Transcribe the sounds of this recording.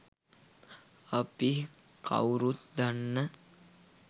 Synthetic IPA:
api | kʰa̰wɾut̪̚d̪anːə

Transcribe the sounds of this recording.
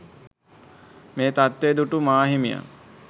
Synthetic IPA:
meːt̪at̪ːed̪uʈumaːɦimija̰ŋ

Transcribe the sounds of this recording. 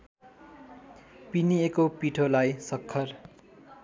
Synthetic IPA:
piniekopiʈʰolajsʌkʰːʌr

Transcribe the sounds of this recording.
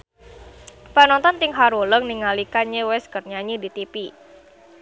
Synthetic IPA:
panɔnt̪ɔnt̪ɪŋɦaɾuləŋniŋalikaɲewɛskərɲaɲidit̪ipi

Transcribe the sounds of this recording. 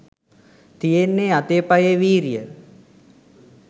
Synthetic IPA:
t̪ijenːeːat̪eːpajeʋiːɾijə

